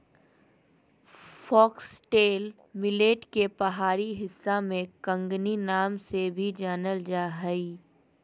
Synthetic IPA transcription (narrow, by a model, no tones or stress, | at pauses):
fɔːksʈeːl | mɪleːʈkepɐɦaːɾiɦɪsːamẽkə̃ŋɡninaːmsebʱid͡ʒaːnəld͡ʒaːɦəi